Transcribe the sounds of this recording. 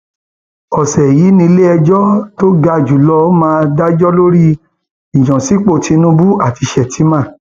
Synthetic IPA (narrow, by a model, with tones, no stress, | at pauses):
ɔ˨sɛ˨ji˨˦nĩ˧le˦ɛ˧d͡ʒɔ˦to˦ɡa˧d͡ʒu˨˦lɔ˧˦mãː˦˧da˦d͡ʒɔ˦lo˦ɾi˦ | ĩ˨jɔ̃˨si˨˦k͡po˦˨ti˧nũ˦bu˦a˦˨ti˧ʃɛ˨tʰi˨˦mã˦˨